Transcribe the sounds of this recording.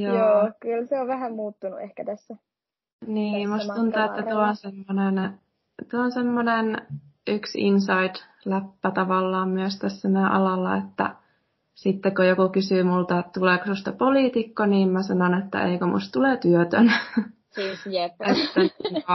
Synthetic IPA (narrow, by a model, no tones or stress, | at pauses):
jojːoːkylseoʋʋæhæmmuːt̪ːunuehkæt̪æsːæ | niːmust̪t̪unt̪ueːæt̪uoonsemːonen | t̪uoonsemːonenʔyksḭnsɑid̥ | læpːæt̪ɑʋɑlːɑːmmyøst̪æsːænæʔɑ̰lɑlːɑ̰ḛt̪ːæ̰ | sit̪ːekojokukysyːmult̪ɑt̪uleːko̥sust̪ɑpoliːt̪ikːoniːmmæsɑnonet̪ːæ̰ḛikømṵst̪t̪uleːt̪yøt̪ø̰n | eet̪ːæŋkɑ